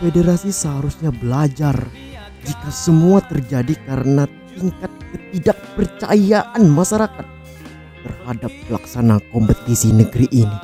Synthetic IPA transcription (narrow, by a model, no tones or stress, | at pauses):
fedeɾasisəɦaɾusɲabəlad͡ʒar | d͡ʒikasəmuat̪ərd͡ʒadikaɾənat̪iŋkat̪̚kət̪̚idak̚pərt͡ʃa̰jaʔanmaʃaɾakat̪̚ː | ərhadap̚ːəla̰ksanakɔmpət̪isinəɡəɾiʔːni